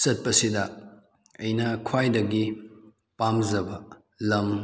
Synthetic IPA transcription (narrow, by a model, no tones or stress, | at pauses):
sɐt̚pɐsidɐ | ɐjnɐkʰwajdɐɡi | pamzɐbɐ | lɐm